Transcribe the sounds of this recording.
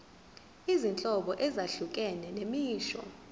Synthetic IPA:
izint͡ɬʼɔɓɔʔɛzaɬukʼɛnɛnemiːʃɔ̰

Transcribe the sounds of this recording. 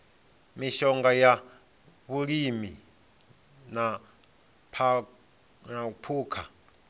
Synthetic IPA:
miʃɔŋɡaja | βuɺimḭ | na | pʰ | napʰuːkʰa

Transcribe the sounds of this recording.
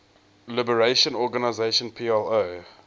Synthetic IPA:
lɪbəɹeʃə̃nɔɡanaɪzeʃə̃npʰiɛloː

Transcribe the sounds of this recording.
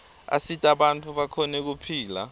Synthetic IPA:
a̰sitʰʼaɓantʰʼuɓakʰɔnek̬upʰiːla̰

